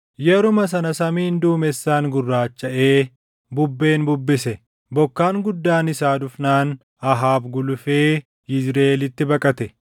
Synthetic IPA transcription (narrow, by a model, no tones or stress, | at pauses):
jɛɾʊmɐs̬ɐnɐsɐmiːnd̪uːmɛsːaːŋɡʊrːaːt͡ʃːɐʔe̞ː | bʊbːe̞ːnbʊbːɪsɛ | bɔkːaːŋɡʊd̪ːaːnɪsaːd̪ʊfnaːn | ɐɦaːbɡʊlʊfeː | ɪzɾeːlɪt̪ːɪbɐkʼɐt̪ɛ